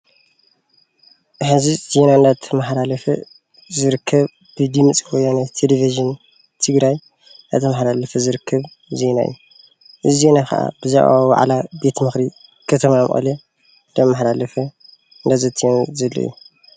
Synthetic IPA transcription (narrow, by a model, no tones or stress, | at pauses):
ħɨziz̥e̞naɨnd̪at̪ʰːɐmaħlalɐfɐ | zɨɾɨkʰːɐβ | b̥ɨd̪imɨt͡sʼwɔjːanat̪ʰeleviʒɨn | t̪ʰɨɡɾaj | na̰t̪ʰɐmaħlalɐfɐzɨɾɨkʰːɐβ | ze̞na̰ʔɨ̰jː | ʔɨzize̞nakɐ̰ʔa̰bɨzaʔwawwa̰ʕlabe̞t̪mɨxɾi | kʰɐt̪ʰɐmamʔʼɐ̰le | ɨnd̪amːaħlalɐfɐ | ɨnd̪azɐt̪ʰːionzɐlːɐ̰ːu